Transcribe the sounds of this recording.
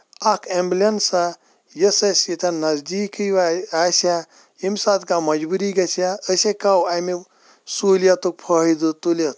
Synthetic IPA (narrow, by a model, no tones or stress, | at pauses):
ɐkʰemblʲɐnsa | jɐsɐsit̪ʰɐnɐzd̪iːkɨjaːsja | imsat̪kamɐd͡ʒbuɾiɡɐsʰjaəsekawami | suːljɐt̪uk̚pʰəːɦid̪ɨt̪ulʲɐt̪